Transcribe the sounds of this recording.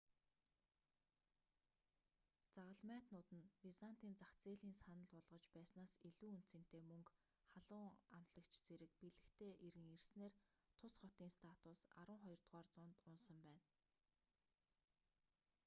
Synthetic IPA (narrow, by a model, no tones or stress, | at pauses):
t͡saʁə̆ɮmæːt̪nʊːt̪ɘ̆nwisan̥t̪iːnt͡saxt͡seːɮiːnsanə̆ɮʊɮʁɞ̆t͡ɕpæːsnaːsiɮuːunt̪sɘ̆n̥t̪eːmɵŋk | χaɮʊːŋam̥t̪ɮə̆kt͡ɕt͡seɾɘ̆k̚piɮɘ̆kt̪ʰeːʔeɾɘ̆ŋersneːr | t̪ʰʊsχɔt̪iːŋst̪ʰat̪ʊsa̰ɾwə̆ːŋχɔjɞ̆rt̪ʁaːrt͡sʊːnt̪ʊnsə̆mpæːn